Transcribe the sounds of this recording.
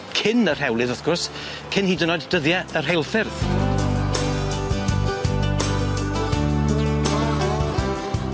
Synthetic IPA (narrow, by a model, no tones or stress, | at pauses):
kʰɪnər̥hɛwlˠɨðɔθɡ̥ʊrs | kʰɪnhiːdənɔjdd̥əðjɛər̥ɦelˠfɪrð̥